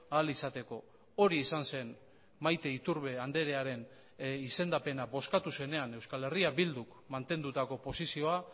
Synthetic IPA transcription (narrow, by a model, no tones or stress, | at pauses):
aːlisat̪e̞ko̞ | o̞ɾiːsanse̞n | majt̪e̞it̪uɾβe̞and̪e̞ɾe̞aɾe̞n | ise̞nd̪ape̞nabo̞skat̪use̞ne̞ane̞wskale̞riabild̪uk | mant̪e̞nd̪ut̪ako̞po̞sisio̞a